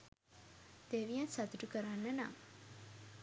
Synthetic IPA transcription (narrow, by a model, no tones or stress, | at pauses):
d̪̥eʋijansat̪uʈukəɾanːəna̰